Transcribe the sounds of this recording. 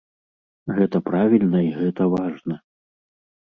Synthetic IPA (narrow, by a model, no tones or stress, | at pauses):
ɣɛt̪ɐpɾavʲilʲnɐiɣɛt̪ɐvaʐnɐ